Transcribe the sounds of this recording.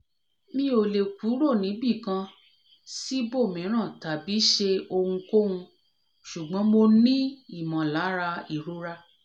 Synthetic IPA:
mĩ˦o˨le˨ku˨˦ɾo˦˨nĩ˨˦bi˦˨kã˧ | si˦bo˦˨mĩ˨˦ɾ̃ã˦˨ta˨bi˨˦ʃe˧o˧hũ˧ko˦hũ˧ | ʃu˨ɡ͡bɔ̃˨˦mo˧nĩ˦i˦˨mã˨la˨˦ɾa˧i˦˨ɾo˨˦ɾa˧

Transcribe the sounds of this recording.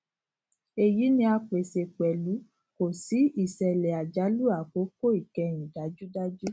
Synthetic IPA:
e˨ji˨˦nĩ˧˦a˧k͡pe˨se˨k͡pɛ˨lu˨˦ | ko˨si˨˦i˨sɛ˨lɛ˨a˨d͡ʒa˨˦lu˦a˨k͡po˨˦ko˦i˨kɛ˧j̃ĩ˨da˨˦d͡ʒu˦da˦d͡ʒu˦

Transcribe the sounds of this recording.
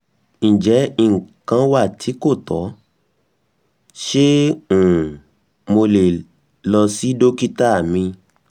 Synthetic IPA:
ñ̩˨d͡ʒɛ˨˦i˦˨ŋ̩˨kã˧wa˦˨tʰi˨˦ko˦˨tɔ˨˦ | ʃe˦ũ˨ | mo˧le˨ | lɔ˧si˦do˦ki˦ta˦˨mĩ˧

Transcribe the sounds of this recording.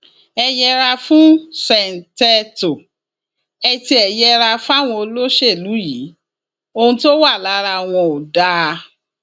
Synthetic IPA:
ɛ˧jɛ˧ɾa˧fũ˦sɛ˨n̩˨tɛ˧to˨ | ɛ˧ti˧ɛ˨jɛ˧ɾa˧fa˦˨w̃ɔ̃˧o˧lo˦ʃe˦˨lu˨˦ji˨˦ | o˧hũ˧to˦wa˦˨la˨˦ɾa˧˨w̃ɔ̃˧o˨da˦

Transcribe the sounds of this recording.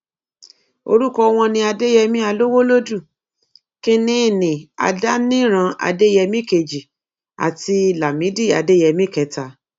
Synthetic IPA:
o̰˧ɾu˦˨kɔ˧w̃ɔ̃˧nĩ˧a˧de˦jɛ˧mĩ˦a˧lo˦wo˦lo˦du˦˨ | kĩ˧nĩ˦˨nĩ˨a̰˧da˦nĩ˦ɾ̃ã˧a̰˧de˦jɛ˧mĩ˦ke˨d͡ʒi˨ | a̰˨ti˧la˨mĩ˨˦di˦˨a˨de˦jɛ˧mĩ˦kɛ˨˦ta˨˧

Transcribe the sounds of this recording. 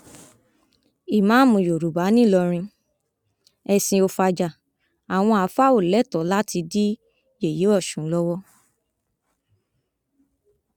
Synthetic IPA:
i˨mã˨˦mũ˨jo˨ɾu˨ba˨˦nĩ˦˨lɔ˧ɾ̃ĩ˧ | ɛ˧sĩ˧o˧fa˧d͡ʒa˨ | a˨w̃ɔ̃˧a˨˧˦fa˦o˦˨lɛ˦˨tɔ˨˦la˦ti˧di˦ | je˦˨je˨˦ɔ˦˨ʃũ˨˦lɔ˦wɔ˦

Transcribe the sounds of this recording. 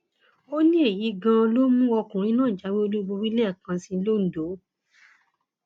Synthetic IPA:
o˦nĩ˦e˦˨ji˨˦ɡã˧o˧lo˦mũ˦ɔ˧kũ˨ɾ̃ĩ˧˦nãː˦˨d͡ʒa˨˦we˦o˧lu˦ɡ͡bo˧ɾi˦lɛ˦˨kã˧sĩ˧˦lo˦˨n̩˨do˨˦

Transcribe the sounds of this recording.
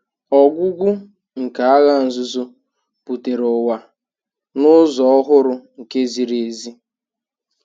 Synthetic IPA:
ɔ˨ɡʷʊ˦ɡʷʊ˦ | ŋ̩˨ka˨a˦ɣa˦n̩˨zʊ˦zʊ˦ | pu˨te˨ɾʊ˨wa˨ | nʊ˦zɔ˨ɔ˦ɦʊ˦ɾʊ˨ŋ̩˨ke˦zi˨ɾe˨e˨zi˦

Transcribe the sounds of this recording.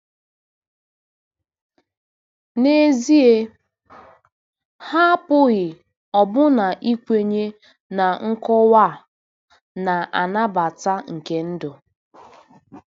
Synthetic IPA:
ne˦zi˦e˦ | ha˦pʊ˦ɣɪ˨ | ɔ˨bʊ˦na˨ʔi˦kʷe˦ɲe˦ | na˨ŋ̩˦kɔ˦wa˦˨ | na˨ʔa˨na˦ba˨ta˦ŋ̩˨ke˦n̩˦dʊ˨

